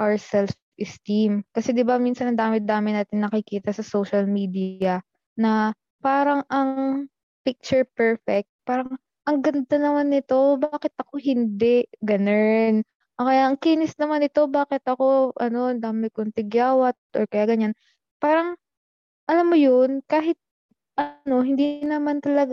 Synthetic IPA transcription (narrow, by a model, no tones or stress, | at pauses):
ʔawɹsɛlf | ʔɪst̪imkɐsɛd̪ɪbaminsɐnɐnd̪aːmɪd̪aːmɪnaːt̪ɪŋnɐkɪkiːt̪ɐsɐsoʃɐlmiːd̪iɐ | nɐ | paːɾɐŋʔɐŋ | pɪk̚t͡ʃʊɹpɛɹfɛk̚t̪̚paːɾɐŋ | ʔɐŋɡɐnd̪anɐmanːɪt̪o̞baːkɪt̪̚ʔɐko̞ɦɪnd̪ɛʔɡɐnɛn | ʔokɐjaʔɐŋkiːnɪsnɐmanɪt̪o̞baːkɪt̪ɐko̞ʔɐ̰no̞ɐnd̪aːmɪkont̪ɪɡjaːwɐt̪̚ʔoɹkɐjaːɡɐɲan | paːɾɐŋ | ʔɐlamːojonkaːɦɪt̪̚ | ʔɐno̞hɪnd̪inɐmant̪ɐlɐɡ